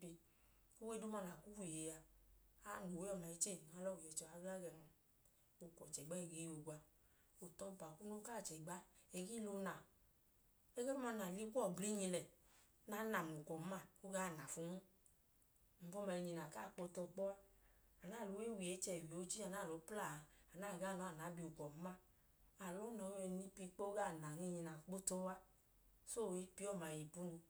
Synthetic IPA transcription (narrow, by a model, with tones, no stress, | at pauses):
bi˧ | ko˦we˦do˦ma˧˨la˨ku˦wi˨je˨ja˧a˦˨no˨we˦ɔ˦˨la˨i˦t͡ʃe˦˨a˨˦lɔ˦˨wi˨ɛ˨˦t͡ʃɛ˧˨a˦ɡa˦ɡɛ˧˨na˧ | o˨˧˨kʷɔ˨t͡ʃɛ˨ɡ͡ba˦i˨ɡe˨˧wo˨ɡʷa˧ | o˨tɔ˧˨pa˨ku˦no˦ka˦˨t͡ʃɛ˨ɡ͡ba˦e˧˦ɡi˦lo˧˦na˨ | e˦ɡe˦ma˧˨na˨li˦ku˦ɔ˦˨bli˦ɲĩ˧lɛ˨ | na˨˦na˨m˨u˨kɔ˨m̩˦a˦˨o˦ɡa˦˨na˨fu˧˦ŋu˦ | m̩˨fɔ˦mɛ˧i˧ɲi˧na˨ka˦˨k͡po˧tɔ˧k͡pɔ˦a˦a˨na˦˨lo˨˦i˦wi˨e˨˦t͡ʃɛ˧˨wi˨o˨˦t͡ʃi˦a˨na˦˨lo˨˦pla˦˨˧a˨na˦˨ɡa˦˨nɔ˨˦a˦˨na˨˦bi˧˨u˨kɔ˨m̩˦ma˦˨ | a˨lo˨˦nɔ˨˦ɛ˧ni˧pi˧k͡po˦ɡa˦˨na˨ŋi˦˧ɲi˧na˨k͡po˦to˦wa˦ | so˦˨i˧˦pi˦ɔ˦˨ma˨ji˨pu˦nu˧